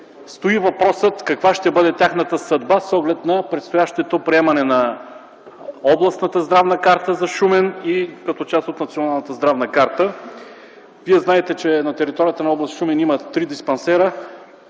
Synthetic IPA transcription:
st̪oivɐpɾɔsət̪kɐkvaʃt̪ɛbɤd̪ɛt̪ʲjaxnət̪əsɐd̪basɔɡlɛt̪nɐpɾɛt̪st̪ojaʃt̪ɛt̪opɾiɛmɐnɛnɐ | ɔblˠɐsnət̪əzd̪ɾavnəkaɾt̪əzɐʃumɛnikɐt̪ɔt͡ʃast̪ot̪nɐt̪sionalˠnət̪əzd̪ɾavnəkaɾt̪ə | viɛznaɛt̪ɛt͡ʃɛnɐt̪ɛɾit̪ɔɾijət̪ənɐɔblˠɐst̪ʃumɛnimət̪ɾid̪ispɐnsɛɾə

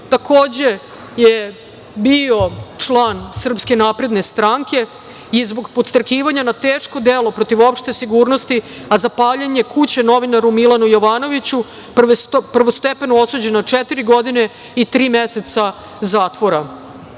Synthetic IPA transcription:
t̪akʰo̞ːd͡ʑe̞ | je | bio̞t͡ʂlˠaːnsr̩pske̞naːpɾe̞d̪ne̞st̪ɾaŋke̞ | izbo̞ɡpot̪st̪ɾakiːʋaɲanat̪eːʂko̞d̪elo̞pɾo̞t̪iʋo̞pʃt̪e̞siɡuːɾnost̪i | azapaːʎeɲe̞kut͡ɕe̞no̞ʋinaɾumilanujo̞ʋaːno̞ʋit͡ɕu | pr̩ʋost̪epe̞nuo̞sud͡ʑe̞nat͡ʂɛt̪iɾiɡo̞d̪ine̞ | it̪ɾiːmese̞t̪sa | zaːt̪ʋo̞ɾa

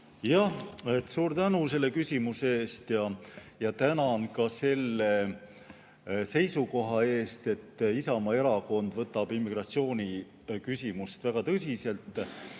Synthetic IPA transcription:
jɑhet̪ːˑsuːɾt̪ænuse̞lːe̞kysʲimuseeːst̪jɑjɑt̪ænɑnkɑse̞lːe̞ | se̞jsuko̞ɦɑe̞ːst̪e̞t̪ːisɑmɑe̞ɾɑko̞nd̪̥vɤt̪ːˑɑb̥imːiɡ̥rɑt̪sio̞ːnʲi | kysʲimust̪væɡ̥ɑt̪ɤs̬ʲise̞lt̪ˑː

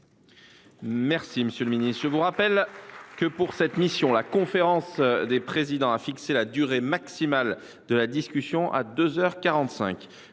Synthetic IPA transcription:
mɛʁsiməsjøləminist̪ʒəvuʁapɛlkəpuʁsɛt̪misjɔ̃lakɔ̃feʁɑ̃sd̪epχezid̪ɑ̃afikselad̪yʁemaksimal | d̪əlad̪iskʲysjɔ̃ʔa̰d̪øzœʁkaʁɑ̃t̪sɛ̰̃k

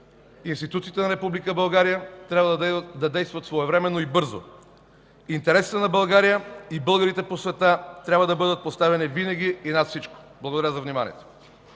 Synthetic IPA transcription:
inst̪it̪ut̪siːt̪ɛnɐɾɛpublikəbɐlˠɡaɾijət̪ɾʲjabvd̪ɐd̪ɛjst̪vɐt̪svoɛvɾɛmɛnːoibɤɾzo̰ | int̪ɛɾɛsi̥t̪ɛnɐbɐlˠɡaɾijəibɤlˠɡəɾit̪ɛposvɛt̪at̪ɾʲabvɐd̪ɐbɤd̪ət̪̚post̪avɛnivinɐɡʲiinat̪fsit͡ʃko̥ | blˠɐɣod̪aɾazɐvnimanḭɛ̰t̪o̥

